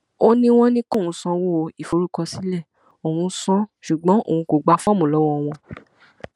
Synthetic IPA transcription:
o˦nĩ˦w̃ɔ̃˦nĩ˦ko˦˨ũ˨˧sɔ̃˧wo˦˨˧i˨fo˨˦ɾu˦kɔ˧si˨˦lɛ˦˨ | o˨wũ˧sɔ̃˦ʃu˨ɡ͡bɔ̃˨˦ʔo̰˦˨w̃ũ˧ko˨ɡ͡ba˧fɔ̃˦mũ˨lɔ˨˦wɔ̃˧˨w̃ɔ̃˧

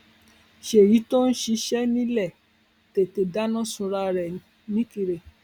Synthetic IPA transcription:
ʃe˨ji˨˦to˦n̩˦ʃi˧ʃɛ˦nĩ˦lɛ˦˨ | te˨te˨da˦nã˦sũ˧ɾa˧ɾɛ̃˨˦ | nĩ˦ki˧ɾe˨

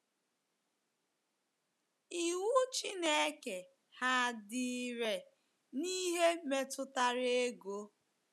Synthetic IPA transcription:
i˨wu˦t͡ʃi˦ne˦e˦ke˨ | ha˦dɪ˦ɾe˨ | ni˦ɦe˦me˦tʊ˦ta˦ɾe˦ɡo˦

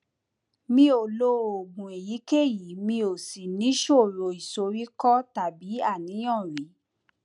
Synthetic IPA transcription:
mĩ˧˦o˨lo˧o˨ɡũ˨e˨ji˨˦ke˦˨ji˨˦mĩ˧o˨si˨nĩ˨˦ʃo˦˨ɾo˨i˨so˨˦ɾi˦kɔ˦ta˨bi˨˦a˦˨nĩ˨˦j̃ɔ̃˦˨ɾi˨˦

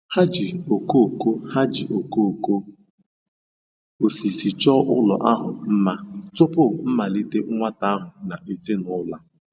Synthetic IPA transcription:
ha˦d͡ʒi˨o˨ko˦o˨ko˦ha˦d͡ʒi˨ʔo˨ko˦˨ko˦ | o˨si˨si˨t͡ʃɔ˦ʔʊ˦lɔ̰˨ʔa˦ɦʊ˨m̩˦ma˦tʊ˦pʊ˦˨m̩˦ma˨li˦te˦ŋʷa˦ta˦a˦ɦʊ˨na˨ʔe˨zi˦nʊ˦la˦

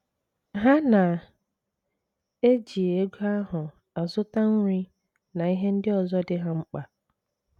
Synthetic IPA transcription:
ɦa˦na˨ | e˦d͡ʒi˨e˨e˦ɡʷa˦ɦʊ˨ | a˨zʊ˦ta˦ŋ̩˦ɲi˦ | nã˨i˦ɦe˦n̩˦dɪ˦ɔ˨zɔ˦dɪ˦ɦã˦ŋ͡m̩˦k͡pa˨

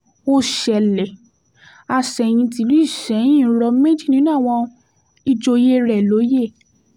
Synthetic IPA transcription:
o˧ʃɛ˨lɛ˨ | a˧ʃɛ˨j̃ĩ˧ti˧˦lu˦i˦˨ʃɛ˨˦j̃ĩ˦˨˦ɾɔ˧˦me˦d͡ʒi˦˨nĩ˨˦nã˦˨w̃ɔ̃˧ | i˧d͡ʒo˧je˦ɾɛ˨lo˨˦je˦˨

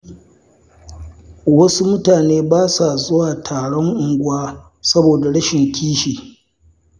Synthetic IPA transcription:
wɐ˦su˦mʊ˦taː˨neː˦baː˦sa˨zʊ˦waː˨tʰaː˨ɽɔ˦ŋʔʊ˨ŋɡʷwaː˦ | sɐ˦boː˨da˨ɽɐ˦ʃɪ˨ŋkʲiː˦ʃiː˨

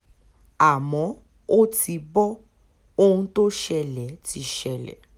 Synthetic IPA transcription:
a˨mɔ̃˨˦ | o˦ti˧bɔ˦ | o˧hũ˧to˦ʃɛ˦˧lɛ˨˦ti˧˦ʃɛ˧lɛ̰˨˦

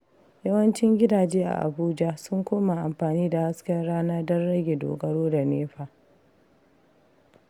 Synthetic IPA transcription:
jɐ˦wɐ˦nt͡ʃɪ˦ŋɡʲɪ˦daː˨d͡ʒeː˦ʔa̰˨ʔa̰˨buː˦d͡ʒa˦sʊ˦ŋkʷoː˦ma˨ʔa˨mɸaː˨niː˦da˨ha˦skʲɐ˦nɽaː˦na˦dɔ˦nɽɐ˦ɡʲeː˨do̰ː˨ɡɐ˦ɽoː˦da˨neː˦ɸaː˨

